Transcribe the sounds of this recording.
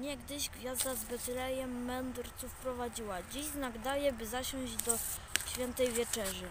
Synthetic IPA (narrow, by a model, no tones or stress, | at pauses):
ɲɛɡd̪ɘʑɡvʲjazd̪azbɛzɘlɛjɛmːɛnd̪ɾt̪sufpɾɔvad͡ʑiwad͡ʑiʑznaɡd̪ajɛbɘzaɕɔ̃w̃ʑd͡ʑd̪ɔ | ɕfʲjɛnt̪ɛjvʲjɛt͡ʂɛʐɘ